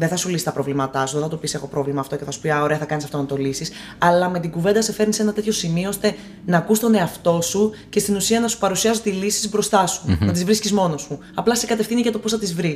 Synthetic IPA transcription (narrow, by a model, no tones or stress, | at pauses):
ðe̞θɐsulisi̥t̪ɐpɾo̞vlimɐt̪ɐsuðeθɐt̪o̞pise̞xo̞pɾo̞vlimɐːft̪o̞ceθɐsu̥piɐoɾe̞ɐθɐkɐnisɐft̪o̞nɐt̪o̞lisis | ɐlɐme̞t̪iɡuve̞nd̪ɐsefe̞ɾnise̞nɐt̪e̞t̪ço̞simioost̪e̞ | nɐːkust̪o̞ne̞ɐft̪o̞suce̞st̪inusiɐnɐsu̥pɐɾusiɐs̬ot̪ilisizbɾo̞st̪ɐsunɐt̪izvɾiscizmo̞no̞su | ɐplɐsekɐt̪e̞fθiniʝɐt̪o̞posθɐt̪izvɾi